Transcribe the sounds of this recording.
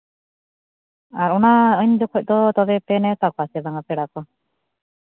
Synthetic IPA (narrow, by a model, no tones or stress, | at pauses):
aɾɔnaəɲd͡ʒɔkʰɔc̚ˀd̪ɔt̪ɔbɛpɛnɛt̪akɔasɛd̪aŋapɛɽakɔ